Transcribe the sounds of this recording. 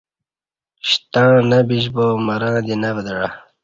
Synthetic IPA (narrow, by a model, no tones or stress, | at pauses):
ɕt̪ãːnɐbiɕbomɐɾãːd̪inɐvd̪əɽa